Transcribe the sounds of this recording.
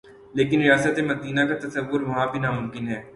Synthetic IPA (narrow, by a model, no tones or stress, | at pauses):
leːkɪnɾɪjaːsət̪emɐd̪iːnakat̪ɐsəʋːʊɾʋɐɦãbʱinaːmʊ̃mkɪnɦɛː